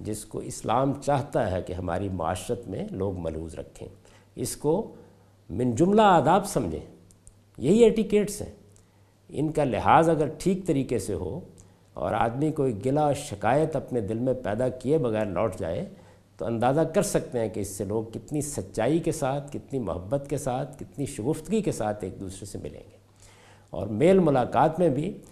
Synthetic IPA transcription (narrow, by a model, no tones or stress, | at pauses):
d͡ʒɪsko̰ɪslaːmt͡ʃaːɦt̪aɦɛkeɦɐma̰ːɾimʊa̰ːʃɾət̪mḛ̃loːɡmɐ̰luːzɾɐ̰kʰːḛ̃ː | ɪsko | mɪ̃nd͡ʒʊmlaaːd̪aːbsɐ̃md͡ʒʱḛ̃ː | jɐɦieːʈikeːʈsɦɛ̰̃ː | ɪ̰nkalɪɦaːzɐɡəɾʈʰiːk̚t̪ɐɾiːkeseɦo̰ | ɔ̰ːɾa̰ːd̪mikoiɡɪlaɔɾʃɪkaːjət̪ɐpned̪ɪlmẽpɛːd̪akiebɐɣɛːɾlɔ̰ːʈʰd͡ʒa̰ːḛ | t̪oɐ̰̃nd̪aːzakɐɾsɐk̚t̪ẽɦɛ̃keɪsːeloːɡ̚kɪt̪nisɐtːʃaːikesaːt̪ʰkɪt̪nimʊ̰ɦəbːət̪kesaːt̪ʰkɪt̪niʃʊɣʊft̪ɡikesaːt̪ʰeːk̚d̪uːsɾesemɪ̰lḛ̃ːŋɡeː | ɔ̰ːɾmeːlmʊlaːqaːt̪mẽbʱi